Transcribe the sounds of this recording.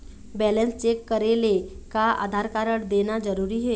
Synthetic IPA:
bɛːlə̃nst͡ʃeːkːəɾele | kaa̰ːd̪ʱaːɾkaːɾəɽ̃d̪eːnad͡ʒəɾuːɾiɦɛː

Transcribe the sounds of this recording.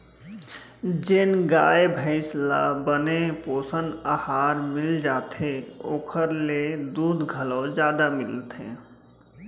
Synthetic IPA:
d͡ʒɪnɡaːebʱəɪslabənepoːsənahaːɾmɪld͡ʒaːt̪eoːkʰəɾled̪uːd̪ɡʱəlɔd͡ʒjaːd̪amɪlt̪ʰḛ

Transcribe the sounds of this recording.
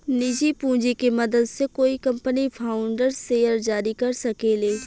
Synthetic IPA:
nɪd͡ʒipũːd͡ʒikemɐd̪əd̪sekoːikɐ̃mpənipʰaːʊ̃ɳɖəɾseːjəɾd͡ʒaːɾikɐɾsɐkeːleː

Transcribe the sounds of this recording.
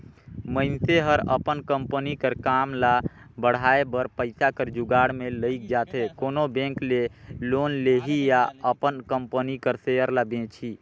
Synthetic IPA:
məɪnseɦəɾə̰pənkəmpənikəɾkamla | bəɽ̤aebəɾpəɪsakəɾd͡ʒuɡaɽmeləɪk̚d͡ʒat̪ʰɛkonobẽŋklelonleɦijaəpənkəmpənikəɾsejəɾlabẽt͡ʃʰi

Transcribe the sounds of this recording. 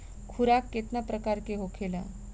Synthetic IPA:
kʰuɾakːet̪napɾəkaɾkeɦokʰela

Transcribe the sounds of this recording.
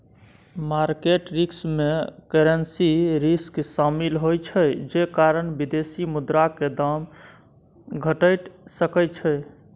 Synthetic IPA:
maɾkeʈɾiksmekeɾensiɾisksamilɦojt͡ʃʰəjd͡ʒekaɾənbid̪esimud̪ɾaked̪am | ɡʱəʈəjʈsəkət͡ʃʰəj

